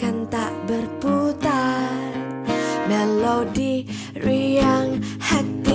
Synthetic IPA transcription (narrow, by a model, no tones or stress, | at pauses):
kant̪aʔbərput̪a | mɛlodi | ɾiaŋhak̪i